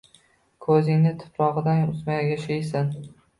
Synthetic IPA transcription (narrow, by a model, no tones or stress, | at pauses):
kʰɵzɪŋnɪt̪ʰʊ̥pɾɒʁɨd̪anʊzmajɡʲaʃɪjsɪn